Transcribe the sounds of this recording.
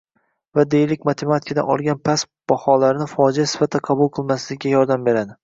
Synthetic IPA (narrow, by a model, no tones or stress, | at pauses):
vad̪ejɪlɪkʲmat̪ʰe̞mat̪ʰɪ̥kʰad̪a̰nɒ̰lˠɡʲanpʰas | b̥ɒhɒlaɾɪnɪfɒd͡ʒijasɪ̥fat̪ʰːaqʰɑbʊlˠqʰɨlˠmaslɪɡʲajɒɾd̪ambe̞ɾad̪ɪ